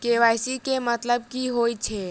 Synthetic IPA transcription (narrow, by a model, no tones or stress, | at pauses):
keʋajsikemət̪ləb̚kiɦoːit͡ʃʰe